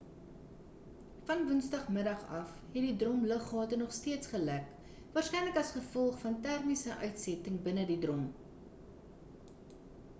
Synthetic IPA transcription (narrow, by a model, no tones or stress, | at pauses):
fɐnvənsdɐχməɾɐχɐfhɛt̚didrɔmləχɦɑːtənɔχstiətsχəlæk | vɑːrsχkɛjnləkɐsχəfɔlˠχfɐntærmisəʔœɥtsɛtəŋbənədidrɔm